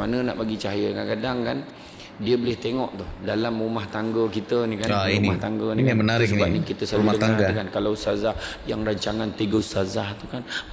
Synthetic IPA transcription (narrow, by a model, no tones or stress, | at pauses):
manəna̰ʔbaɡit͡ʃaɦajəakankadaŋkan | diəbəlɪht̪eŋɔʔt̪ʊhdalamrumaht̪aŋɡəkit̪ənikaauniaht̪aŋɡəniimənaɾɪksənbap̚nikit̪əsaumaəŋaaŋɡakankalawsazahjaŋɾaɲt͡ʃaŋant̪iɡəsazaht̪ukan